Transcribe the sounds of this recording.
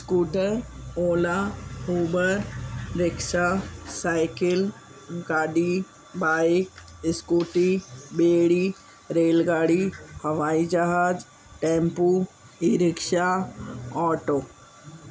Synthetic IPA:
skuːʈəɾoːlauːbəɾɾɪkʃasaːɪkɪl | ɡaːɖi | baːɪkɪskuːʈibeːɽi | ɾeːlɡaːɽihɐʋaːid͡ʒaɦaːd͡ʒ | ʈẽːmpu | iɾɪkʃa | ɔːʈoː

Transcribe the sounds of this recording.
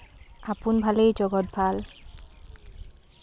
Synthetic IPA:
apunbʱalejd͡ʒɔɡɔt̚bʱal

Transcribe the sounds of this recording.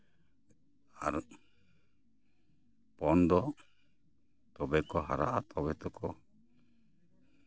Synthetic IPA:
a̰ɾ | pɔnd̪ɔ | t̪ɔbɛkɔɦa̰ɾa̰ʔat̪ɔbɛt̪ɔkɔ

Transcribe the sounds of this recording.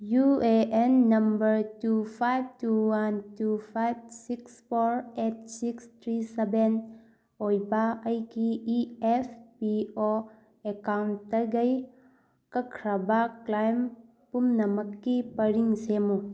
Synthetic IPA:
jueenːɐmbɐɾtupʰajb̚tuwantupʰajb̚sikspʰoɾep̚sikst̪ʰɾiseben | ojbɐɐjɡiːepʰpio | ekawnttɐɡɐj | kɐkʰɾɐbɐklajm | pumnɐmɐkːipɐɾiŋsemu

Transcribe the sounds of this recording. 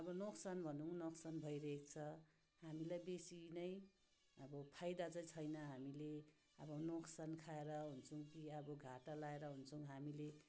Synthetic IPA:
ʌbʌnoksanbʱʌnuwnoksanbʱʌjɾʌekt͡sʰʌ | ɦamilajbesinʌj | ʌbʌpʰajd̪at͡sʌj̃t͡sʰʌjnʌɦamile | ʌbʌnoksankʰaeɾʌɦunt͡sʰʌw̃kiʌbʌɡʱaʈalaeɾʌɦunt͡sʰʌw̃ɦamile

